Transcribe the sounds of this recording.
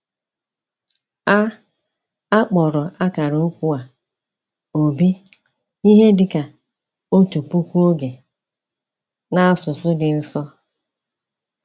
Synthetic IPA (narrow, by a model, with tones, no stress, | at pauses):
a˦ | a˦k͡pɔ˨ɾɔ˨a˦ka˨ɾo˨˦kʷu˦a˨ | o˨bi˦ | i˦ɦe˦dɪ˨ka˨ | o˦tu˨pu˦kʷu˦o˦ɡe˨ | na˦sʊ˨sʊ˦dɪ˨n̩˦sɔ˦